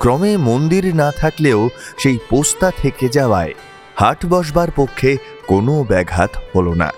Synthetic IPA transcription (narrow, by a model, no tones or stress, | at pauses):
kɾɔmemond̪iɾnat̪ʰakleoʃejpost̪at̪ʰeked͡ʑaoa̰e | haʈbɔʃ̬baɾpokʰːe | konobɛɡʱa̰t̪holona̰